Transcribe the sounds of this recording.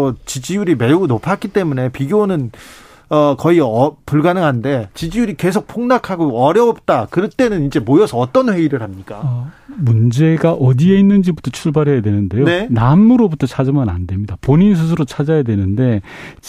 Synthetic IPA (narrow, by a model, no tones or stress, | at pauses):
t͡ɕid͡ʑijuɾime̞unopʰak͈it͈e̞mune̞piɡjonɯn | ʌkʌiʌpuɭɡanɯŋɦande̞t͡ɕid͡ʑijuɾike̞sʰok̚pʰoŋnakʰaɡoʌɾjʌop̚t͈akɯɾʌt͈e̞nɯnind͡ʑe̞mojʌsʰʌːt͈ʌnɸwe̞iɾɯɭhamɲik͈a̰ʌmund͡ʑe̞ɡaʔʌdie̞inːɯnd͡ʑibutʰʌt͡ɕʰuɭbaɾɦejadwe̞nɯnde̞jonnamɯɾobutʰʌt͡ɕʰad͡ʑɯmɯna̰ndwe̞mɲidapoɲins̬ʰɯs̬ʰɯɾot͡ɕʰad͡ʑajadwe̞nɯnde̞